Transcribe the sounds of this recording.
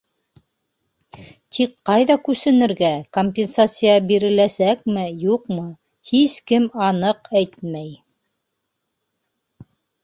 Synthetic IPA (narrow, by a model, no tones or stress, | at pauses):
t̪ʰikqɑjðɑkʉsɘ̆nɘ̆ɾɡækomʲpʲensat̪sɨjɑbiɾɘ̆læsæk̚mɘjuqmɤ | hiskɘmɑnɤqæjt̪mæj